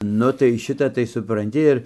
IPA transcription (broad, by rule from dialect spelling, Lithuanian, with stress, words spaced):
ˈnʊ tɐɪ ˈʃʲɪtɐ tɐɪ sʊprɐnʲˈtʲɪ ɪr